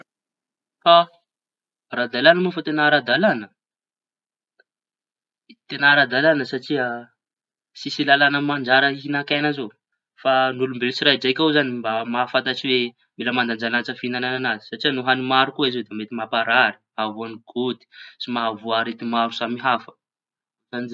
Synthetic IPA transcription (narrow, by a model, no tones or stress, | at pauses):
fa | rad̪alanəmufat̪enaɾad̪alanə | t̪enaɾad̪alanəsaʈ͡ʂiə | sisilalanəmand͡ʒaɾəinakajnazo | fanulumbelut͡siɾajid͡zakʲawzanimbamafat̪aʈ͡ʂiwe | meləmand̪and͡ʒanat͡səfinanananazi̥saʈ͡ʂiənuɦanimaɾukuizowd̪emet̪imapaɾaɾi̥ | avuaniɡ̥od̪i̥simavuaɾet̪imaɾusamiɦafə̥ | zani